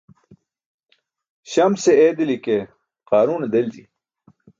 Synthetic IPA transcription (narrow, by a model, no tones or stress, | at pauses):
ɕɐmseed̪ilike | qaːɾuːned̪ɐld͡ʑḭ